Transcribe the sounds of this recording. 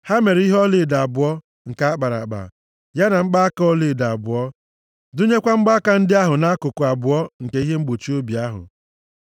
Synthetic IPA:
ha˦me˨ɾi˦ɦɔ˦lɪ˨da˨a˨bʊ˨ɔ˦ | ŋ̩˨ka˨˦a˦k͡pa˨ɾa̰˨k͡pa̰˨ | ja˦na˨ŋ͡m̩˦ɡ͡ba˦a˦ko˦lɪ˨da˨a˨bʊ˨ɔ˦ | du˦ɲe˦kʷa˦ŋ͡m̩˦ɡ͡ba˦ka˨n̩˦dɪ˦a˦ɦʊ˨na˦kʊ˨kʊ˨a˨bʊ˨ɔ˦ŋ̩˨ke˨i˦ɦe˦ŋ͡m̩˦ɡ͡bo˨t͡ʃi˦o˦bi˨a˦ɦʊ̰˨

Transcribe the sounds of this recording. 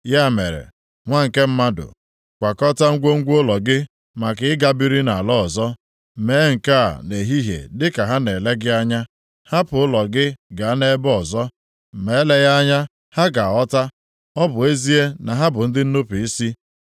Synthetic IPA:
ja˦˨me˨ɾḛ˨ | ŋʷa˦ŋ̩˨ke˦m̩˦ma˦dʊ̰˨ | kʷa˨kɔ˦ta˦ŋ̩˦ɡʷo˦ŋ̩˦ɡʷʊ˦lɔ˨ɡɪ˦ | ma˨kɪ˨ɪ˦ɡa˦bi˦ɾi˦na˨lɔ˦ɔ˨zɔ˦˨ | me˨˦ŋ̩˨ka̰˦˨ne˨ɦi˦ɦjḛ˨dɪ˦ka˨ɦa˦ne˨le˦ɡɪ˦a˦ɲa˦ | ha˦pʊ˨˦ʊ˦lɔ˨ɡɪ˦ɡa˨a˦ne˦bɔ˨zɔ˦ | m̩˨me˨˦le˦ɣa˦ɲa˦ | ha˦ɡa˨ɔ˦ta˦ | ɔ˦bʊ˨e˦zi˦e˦na˨ɦa˦bʊ˨n̩˦dɪ˦n̩˦no˦pu˨i˦si˦

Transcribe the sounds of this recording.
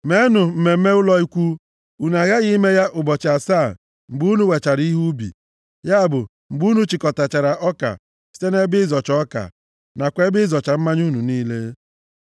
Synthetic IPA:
me˦nʊ˨m̩˨me˨m̩˦me˦ʊ˦lɔ˦i˦kʷu˦ | u˨n˨a˨ɣa˦ɣi˦me˦ja˦ʔʊ˨bɔ˨t͡ʃɪ˨a˨sa˦˨ | m̩˨ɡ͡bu˦nu˦we˨t͡ʃa˨ɾi˦ɦu˦bḭ˨ | ja˦a˦˨bʊ˨ | m̩˨ɡ͡bu˦nu˦t͡ʃi˨kɔ˨ta˨t͡ʃa˨ɾa˨ʔɔ˦ka̰˨ | si̥˦te˦ne˦bɪ˦zɔ˨t͡ʃɔ˦ka̰˨ | na˨kʷe˦bɪ˦zɔ˨t͡ʃa˨m̩˦ma˦ɲ˦u˦nu˨niː˦le˦

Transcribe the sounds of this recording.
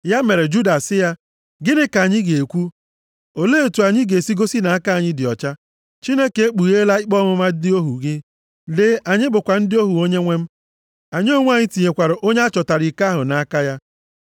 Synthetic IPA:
ja˦me˨ɾe˨d͡ʒu˦da˨sɪ˦ja˦ | ɡɪ˦nɪ˦ka˨ɲɪ˦ɡe˨e˨kʷu˦ | o˨le˦e˨tu˨a˨ɲɪ˦ɡe˨si˦ɡo˦si˦na˨a˦ka˦˨ɲɪ˦dɪ˨ɔ̰˨t͡ʃa˦ | t͡ʃi˦ne˦ke˨e˦k͡pu˨ɣe˦la˦ɪ˦k͡pɔ˦mʊ˦ma˦dɪ˦o˦ɦu˨ɡɪ˦ | le˦ʔa˨ɲɪ˦bʊ˨kʷa˨n̩˦dɪ˦o˦ɦu˨o˦ɲe˦ŋʷe˦m̩˦ | a˨ɲɪ˦o˦ŋʷ˦a˦˨ɲɪ˦ti˨ɲe˨kʷa˨ɾʊ˨ʔo˦ɲe˦a˦t͡ʃɔ˨ta˨ɾi˨ka˦ɦʊ˨na˨a˦ka˦ja˦

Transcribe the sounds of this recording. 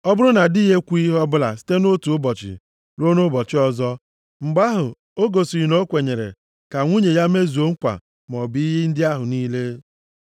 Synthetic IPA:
ɔ˦bʊ˦ɾʊ˦na˨di˦ɦe˦kʷi˦ɦɔ˦bʊ˦la̰˨si̥˦te˦no˦tu˨ʊ˦bɔ˨t͡ʃɪ̰˨ | ɾo˦no˦bɔ˨t͡ʃɪ˦ɔ˦zɔ˦ | ŋ͡m̩˨ɡ͡ba˦ɦʊ˨ | o˦ɡo˨si˨i˨no˦kʷe˨ɲe˨ɾḛ˨ | ka˨ŋʷu˦ɲe˨ja˦me˦zu˨o˦ŋ̩˦kʷa̰˨ | m˨ɔ˨bi˨˦i˦ɦi˦n̩˦dɪ˦a˦ɦʊ˨niː˦le˦

